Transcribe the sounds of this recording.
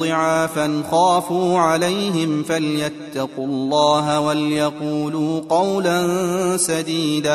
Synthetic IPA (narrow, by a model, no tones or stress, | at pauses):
ɪʕaːfanʊxaːfuːʕalajɦɪmfaljat̪ːɑqʊlˤːɑːɦawaljɑquːluːqɑwlansad̪iːd̪aː